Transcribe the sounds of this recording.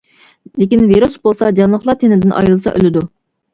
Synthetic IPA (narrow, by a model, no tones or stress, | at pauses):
lekʲinviɾusbolˠsɑd͡ʒɑnlˠəχlˠɑt̪ʰenɪd̪ɪnʔɑ̰jɾɨlˠsɑ̰ʔø̰lɪd̪u